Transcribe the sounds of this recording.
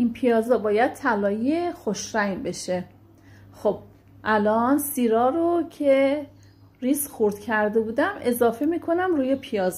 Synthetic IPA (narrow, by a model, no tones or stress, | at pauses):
ʔinpʰijɒːzɒbɒːjæd̪̥̚t̪ʰælɒːjijexoʃɾæjbe̞ʃe | xob̥̚ | ʔælɒːnsiːɾɒːɾocʰe | ɾiːsxuɾd̪̥cʰæɾd̪e̞buːd̪æme̞zɒːfe̞miːkʰo̞næmruːjepʰijɒːz